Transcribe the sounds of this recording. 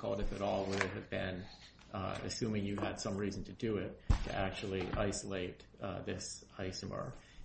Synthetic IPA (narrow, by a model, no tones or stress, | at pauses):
kʰɔ̰lˠdɨfɨɾɔlˠwʊɾɨt̚ɦɨvbɪ̃n | ɨ̰sʉ̃mɪ̃ŋjɨ̥ɨd̥sʌ̃mɹizn̩tʰɨdɨɪtʰɨ̰ʔæk̚t͡ʃul̩ˠiʔaɪsəlˠeɪt̚ðɪsaɪsmə̰˞